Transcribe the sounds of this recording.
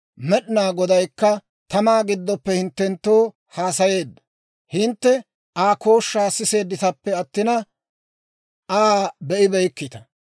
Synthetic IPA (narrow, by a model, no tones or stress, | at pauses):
mɛɗɪnaːɡɔd̪ɐjkːɐ | t̪ɐmaːɡɪd̪ːɔpːɛhɪnt̪ːɛnt̪ːoː | haːsɐje̞ːd̪ːɐ̥ | hɪnt̪ːɛ | ʔaːko̞ːʃːaːsːɪse̞ːd̪ːɪt̪ɐpːɛɐt̪ːɪnɐ | ʔaːbɛʔɪbɛjkːɪt̪ɐ